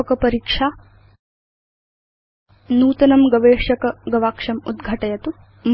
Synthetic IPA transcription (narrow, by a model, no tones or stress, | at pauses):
kɐpɐɾiːkʂaː | nuːt̪ɐnɐmɡɐʋeːʂɐkɐɡɐʋaːkʂɐmṵd̪ɡʱɐʈɐjɐt̪u | m